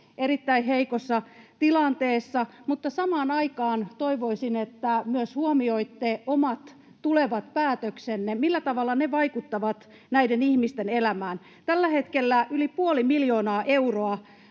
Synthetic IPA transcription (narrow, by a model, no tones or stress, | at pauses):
erit̪ːæiɦeikosːɑt̪ilɑnt̪eːsːɑmut̪ːɑsɑmɑːnɑikɑːnt̪oiʋoisinet̪ːæmyøshuomioit̪ːeomɑt̪ | tuleʋɑt̪pæːt̪øksenːemilːæt̪ɑʋɑlːɑneʋɑikut̪ːɑʋɑt̪ | næidenihmist̪enelæmæːn | t̪ælːæhet̪kelːæylipuolimiljoːnɑːʔeuroɑ